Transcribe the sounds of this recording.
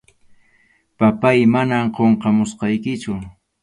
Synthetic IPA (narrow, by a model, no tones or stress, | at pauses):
papajmanamqoɴqɑmʊsqɑjkɪt͡ʃʊ